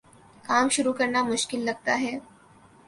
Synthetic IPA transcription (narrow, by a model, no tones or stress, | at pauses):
kaːmʃʊɾukɐɾnamʊʃkɪlːɐɡ̚t̪aɦɛː